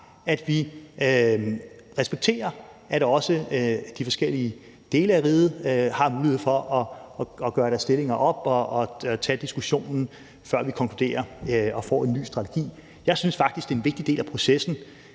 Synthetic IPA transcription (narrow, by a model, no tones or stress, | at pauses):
æd̥ʋi | ʁɛsb̥eɡ̥̚t͡sʰe̝̰ːɐæɾ̥ɒ̽səd̥ifɒ̽sɡ̥el̰iə | d̥e̝ːləæʁið̩ˠhɑ̈muːlihḛfɒ̽ʔɒ̽ɡ̥ɶːɐɾ̥æɐsd̥e̝le̝ŋɐʔɒ̽b̥ɒ̽ːt͡sʰɛ̰ːd̥isɡ̥uɕo̝̰ːnn̩ | fɶɐ̰ʋikʰɒ̽ŋkʰlud̥e̝̰ːɐɒ̽fɒ̰ːe̝nːy̰ːsd̥ʁɑ̈t͡sʰe̝̥ɡ̥ḭː | jɑ̈ɪsynsfɑ̈ɡ̥d̥isɡ̥d̥e̝ːenʋe̝ɡ̥̚d̥id̥e̝ːlæpʰʁo̝sesn̩